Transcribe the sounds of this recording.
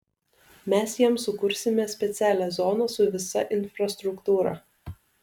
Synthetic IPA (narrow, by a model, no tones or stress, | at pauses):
mʲɛsjiɛmsʊkʊɾʲsʲɪmʲɛsʲpʲɛt̪sʲæːlʲæːzɔːnɐsʊʋʲɪsɐʔɪnʲfɾɐst̪ɾʊkt̪uːɾɐ̰